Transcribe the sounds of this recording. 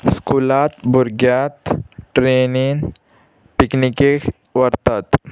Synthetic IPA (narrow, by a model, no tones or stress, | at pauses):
skulat̪buɾɡjat̪ʈɾenin | piknikek | ʋəɾt̪at̪